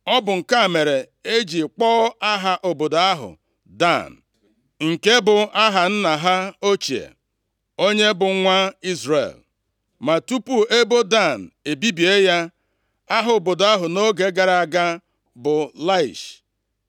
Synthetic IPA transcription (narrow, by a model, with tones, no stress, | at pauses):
ɔ˦bʊ˨ŋ̩˨ka˦˨me˨ɾe˨ | e˦d͡ʒi˨k͡pɔː˦a˦ɦa˨ʔo˨bo˨do˨a˦ɦʊ̰˨ | da̰˦˨n̩˨ | ŋ̩˨ke˦bʊ˨a˦ɦa˨n̩˦na˨ɦa˦o˦t͡ʃi˨ḛ˨ | o˦ɲe˦bʊ˨˦ŋʷa˦i˦zɾḛ˨l | ma˨tu˦pu˦e˦bo˦da˦˨n˨e˨bi˦bi˨e˦ja˦ | a˦ɦʊ˨o˨bo˨do˨a˦ɦʊ˨no˦ɡe˨˦ɡa˨ɾa˨ɡa˦ | bʊ˨la˦i˨ʃ